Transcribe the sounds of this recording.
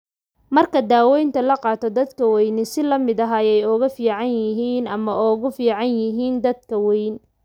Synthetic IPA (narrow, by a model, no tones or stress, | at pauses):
mɐrkʰɐd̪aːwɛjnt̪ʰɐlɐqɑːt̪ʰɔd̪ɐd̪kʰɐwɛjnɪsɪlɐmɪd̪ɐɦajɛjɔɣɐfiːʕɑnjɪɦiːnɐmɐʔɔːɣʊfiːʕɑnjɪɦiːnd̪ɐd̪̚kʰɐwɛjn